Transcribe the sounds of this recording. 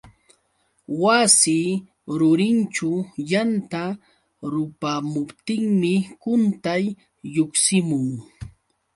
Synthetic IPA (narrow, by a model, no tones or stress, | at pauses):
wasi | ɾʊɾɪnt͡ʃʊjant̪a | ɾʊpamʊpt̪ɪŋmɪkʊnt̪ajː | oksɪmʊŋ